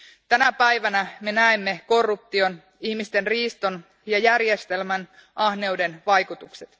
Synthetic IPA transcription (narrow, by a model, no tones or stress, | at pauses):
t̪ænæpæjʋænæme̞næemːe̞ko̞rːup̚t̪io̞n | ihmist̪e̞nriːst̪on | jɑjærjest̪e̞lmæn | ʔɑhne̞wde̞nʋɑjkut̪ukset̪